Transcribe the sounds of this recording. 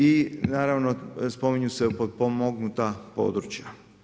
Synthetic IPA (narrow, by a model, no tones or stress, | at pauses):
inaːɾaʋnospo̞miɲusepot̪pomoɡnut̪apo̞̰ːd̪ɾut͡ɕja